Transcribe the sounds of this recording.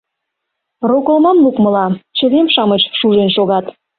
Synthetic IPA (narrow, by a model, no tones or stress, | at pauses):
rokŏlmɑnlukmə̆lɑt͡ɕə̆βemʃɑmet͡ɕʃuʒenʃoɣɑt̪